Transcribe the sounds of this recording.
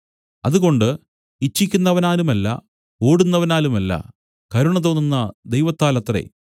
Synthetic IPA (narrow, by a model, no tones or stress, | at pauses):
ɐðuɣo̞ɳɖɨ | it͡ɕːikʲːunːɐʋɐnaːlumɐlːɐ̰ | oːɽunːɐʋɐnaːlumɐlːɐ̰ | kɐɾuɳɐðonːinːɐd̪ejʋɐt̪ːaːlɐt̪ːrḛ